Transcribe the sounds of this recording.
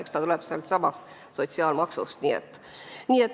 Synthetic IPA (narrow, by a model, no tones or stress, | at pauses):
ekst̪ɑt̪ulɛb̥seɑlt̪sɑmɑst̪ | so̞t̪siɑːlmɑksust̪niːḛt̪ː | niːet̪ː